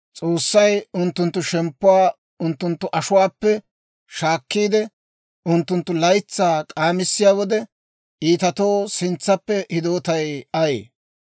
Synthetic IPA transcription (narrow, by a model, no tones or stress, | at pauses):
t͡sʼoːsːɐjʊnt̪ːʊnt̪ːʊʃɛmpːʊwaː | ʊnt̪ːʊnt̪ːʊʔɐʃʊwaːpːɛ | ʃaːkːiːd̪ɛ | ʔʊnt̪ːʊnt̪ːʊlɐjt͡sːaːkʼaːmɪsːɪjaːwɔd̪ɛ | ʔiːt̪ɐt̪o̞ːsɪnt͡sːɐpːɛhɪd̪oːt̪ɐjɐjḛː